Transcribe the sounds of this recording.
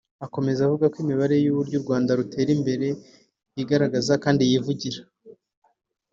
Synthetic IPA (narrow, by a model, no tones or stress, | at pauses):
ako̞me̞zavuɡakwimiβaɾe̞juβuɾɟuɾɡwaːndaɾutʰe̞ːɾimbe̞ɾe̞ | jiɡaɾaɡazakaːndijivuɟiɾḁ